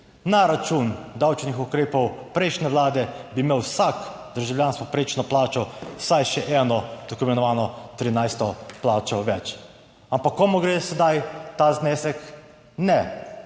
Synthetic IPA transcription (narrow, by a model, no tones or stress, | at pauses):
naɾat͡ʃund̪awt͡ʃnixukɾeːpɔwpɾɛɪʃnɛʋlaːd̪ɛbimeːwsak | d̪əɾʒawljaːnskɔpɾet͡ʃnɔplaːt͡ʃɔsajʃɛʔɛːnɔd̪̥ɔkumɛnɔʋaːnɔt̪ɾinajst̪ɔplaːt͡ʃɔʋɛt͡ʃ | ampakːɔmɔɡɾeːsɛd̪ajt̪aznɛːsɛk | nɛ